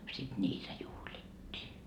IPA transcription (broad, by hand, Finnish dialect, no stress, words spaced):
sit nʲiːtæ juhlitːiː